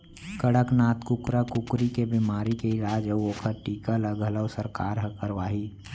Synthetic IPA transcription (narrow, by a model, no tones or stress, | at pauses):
kəɽəknaːt̪kʊkɾakʊkɾikebimaːɾikeɪɾaːd͡ʒəoːkʰəɾʈiːkaləɡələwsəɾkaːɾɦəkəɾʋaːɦiː